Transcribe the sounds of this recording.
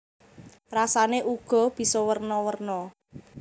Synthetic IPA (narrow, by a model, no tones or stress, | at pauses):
rasaneʔuɡ̥ɔ̤b̥i̤sɔwərnɔwərnɔ